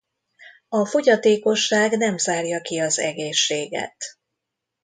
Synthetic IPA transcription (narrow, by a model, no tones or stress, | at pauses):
ɒfo̞ɟɒt̪eːko̞ʃːaːɡnɛmzaːrjɒkiɒzɛɡeːʃːeːɡɛ̰t̪